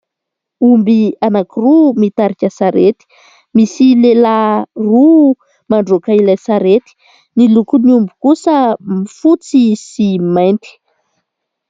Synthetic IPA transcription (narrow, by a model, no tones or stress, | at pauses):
umbianakirumit̪aɾikʲasaɾet̪i̥ | misilelaru | maɳɖ͡ʐokailasaɾet̪i̥ | nilukuniumbukusəmifut͡sisimajnt̪i̥